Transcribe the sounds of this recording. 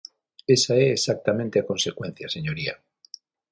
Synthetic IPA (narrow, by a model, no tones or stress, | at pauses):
esaeːsak̚t̪amẽnt̪eakõ̞nse̞kwe̞n̟θjase̞ɲoɾia̰